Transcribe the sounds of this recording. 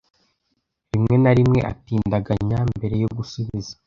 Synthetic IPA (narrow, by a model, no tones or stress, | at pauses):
ɾimŋe̞naɾimŋe̞ʔa̰tiːndaɡaɲambe̞ɾe̞joɡusuβizḁ